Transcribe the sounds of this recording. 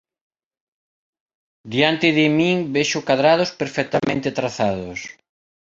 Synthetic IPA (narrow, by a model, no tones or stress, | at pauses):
d̪iant̪ɪðɪmiŋbeʃʊkaðɾað̞ospeɾfɛk̚t̪amẽnt̪ɪt̪ɾaθaðʊs